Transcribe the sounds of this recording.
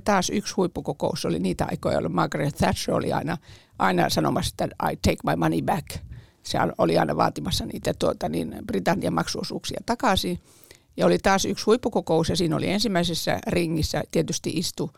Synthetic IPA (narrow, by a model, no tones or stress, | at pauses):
t̪ɑːsykshuipːukokouseo̰lḭniːt̪æɑ̰ikojɑ̰lmɑːkrɑθæʃøo̰lḭɑ̰inɑ | ʔɑinɑ̰sɑno̰mɑse̥t̪ːæɑ̰it̪eikmɑimɑnibæk | seɑ̰noliɑ̰inɑʋɑ̰ːt̪imɑsːɑnḭːt̪æt̪uot̪ɑnḭnb̥rit̪ɑnːiɑmɑksuo̰sṵːksiɑ̰t̪ɑkɑˑsi | jɑolit̪ɑːsykshuipːukokousjɑsiːno̰lḭensimːæisesːæ̰riŋːisːæ̰t̪iet̪yst̪ḭʔist̪u